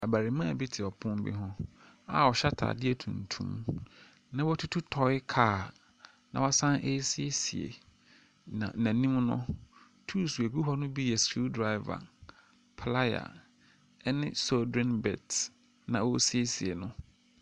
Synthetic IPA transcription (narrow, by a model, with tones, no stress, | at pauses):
a˨ba˨ɾi˨mã˦a˨bi˦tʰɪ˨ɔ˨pʰʊ̃˦m˦bḭ˦ɦɔ̃˦ | a̰˦˨wɔ˨ɕa˦tʰa̰ː˨dɪ˦ɛ˨tʰṵ̃˨ntʰṵ̃˦m | nã˦wɔ˦tʰu˦tʰu˦tʰɔ˨ɪ˦kʰaː˦˨ | nã̰˨wa˦sã˦nʔe˦si˦e˦sḭ˨ḛ˨ | ã̰˨nã˨nĩ˦m˦nʊ̰̃˦ | tʰu˦˨su˨e˨ɡu˦ɦɔ˦nʊ̃˦bi˦jɛ˨sfi˦ldɾa˦ɪ˦va̰˨ | pʰla˦ja̰˨ | ɛ˦nɪ̃˦sɔ˦dɛ̃˦nbɛ̰˨t | nã˨o˦si˦e˦si˨e˨nʊ̃˦